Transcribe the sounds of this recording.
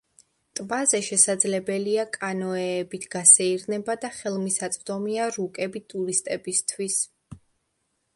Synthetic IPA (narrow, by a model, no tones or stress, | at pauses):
t̪ʼbazɛʃɛsad̪zlɛbɛliakʼanɔɛːbit̪ʰɡ̥asɛiɾnɛbad̪aχɛlˠmisat̪sʼd̪ɔmiaɾukʼɛbit̪ʼuɾist̪ʼɛbist̪ʰwis